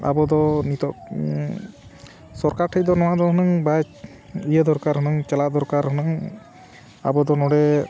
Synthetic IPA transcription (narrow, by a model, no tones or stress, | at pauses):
a̰bɔd̪ɔnit̪ɔ | sɔɾkaɾʈʰəjd̪ɔnɔwad̪ɔhɔnaŋbat͡ʃ | ijəd̪ɔɾkaɾɦɔnɔŋt͡ʃalad̪ɔɾkaɾɦɔnaŋ | a̰bɔd̪ɔnɔɽɛ